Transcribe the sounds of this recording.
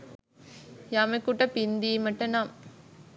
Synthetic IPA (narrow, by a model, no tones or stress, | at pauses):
jamekuʈːɐpind̪iːmɐʈːɐnam